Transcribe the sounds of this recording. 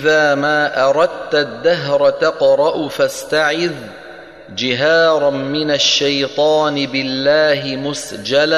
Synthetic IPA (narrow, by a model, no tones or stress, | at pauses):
ʔɪðaːmaːʔɑɾˤɑd̪̚t̪d̪ːaɦɾˤt̪ɑqɾˤɑʔfast̪aʕɪð | d͡ʒɪɦaːɾˤmɪnaʃːajt̪ˤɑːnɪbɪlːaːɦɪmʊsd͡ʒala